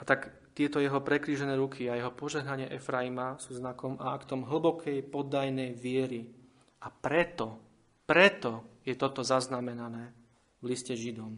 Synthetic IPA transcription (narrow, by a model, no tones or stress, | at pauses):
at̪ak | t̪ɪɛt̪ɔjɛɦɔpɾɛkɾiːʒɛnɛːɾukʰiajɛɦɔpɔʒɛɦnaɲɪɛʔɛfɾaimasuːznakɔmaakt̪ɔmɦl̩bɔkʰɛjpɔd̪ajnɛjʋɪɛɾi | ʔapɾɛt̪ɔ | pɾɛt̪ɔjɛt̪ɔt̪ɔzaznamɛnanɛː | vliscɛʒid̪ɔm